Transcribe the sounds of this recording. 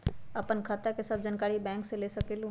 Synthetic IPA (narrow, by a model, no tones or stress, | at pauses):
ɐpənkʰaːt̪akesɐb̚d͡ʒankaːɾibɛ̃ːŋkseleːsɐkelũː